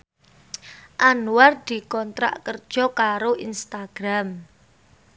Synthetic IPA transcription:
ʔanuward̪̥i̤kɔnt̪ɾa̰ʔkərd̥ʒ̥ɔ̤kaɾoʔinst̪aɡ̥ɾam

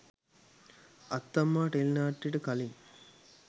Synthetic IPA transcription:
ɐt̪ːɐmːaːʈelnaːʈːiʈəkɐliŋ

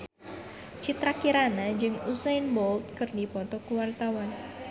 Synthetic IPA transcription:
t͡ʃit̪ɾakiɾanad͡ʒɨŋusajnbɔlt̪̚kɨrdipɔt̪ɔkuwart̪awan

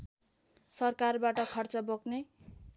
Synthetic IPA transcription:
sʌrkarbaʈʌkʰʌrt͡sʌbokne

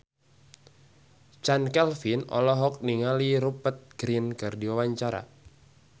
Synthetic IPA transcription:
t͡ʃankɛlfinɔ̰lɔɦɔk̚niŋaliɾupət̪̚ɡ̥ɾinkɨrdiwawaɲt͡ʃaɾa̰

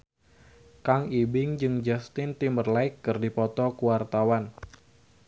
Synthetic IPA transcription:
kaŋibɪŋd͡ʒɨŋd͡ʒast̪ɪnt̪imərlaɪkːɨrdipɔt̪ɔkuwart̪awan

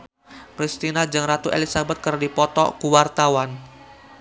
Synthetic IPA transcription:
pɾist̪inad͡ʒəŋrat̪uʔḛlisabɛt̪̚kərdipɔt̪ɔ̰kuwart̪awan

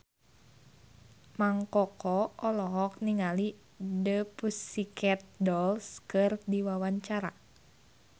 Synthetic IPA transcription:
maŋkɔkɔɔlɔɦɔk̚niŋali | dəpusikɛt̪̚dɔlskɨrdiwawaɲt͡ʃaɾa̰

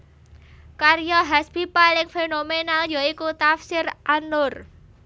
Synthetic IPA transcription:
karjɔɦaspipalɪŋfenomenaljɔikut̪afsɪrʔanʊr

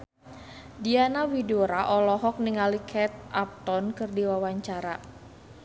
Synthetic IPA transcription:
dianawidoɾaʔɔlɔɦɔk̚niŋalikʰɛt̪̚ap̚t̪ɔnkɨrdiwawaɲt͡ʃaɾa

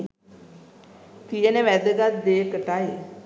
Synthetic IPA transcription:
t̪ijənəʋæd̪əɡat̪̚d̪eːkəʈaj

